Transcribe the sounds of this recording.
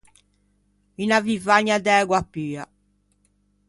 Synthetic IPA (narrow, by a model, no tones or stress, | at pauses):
inavivaɲːad̪ɛːɡwapːiːa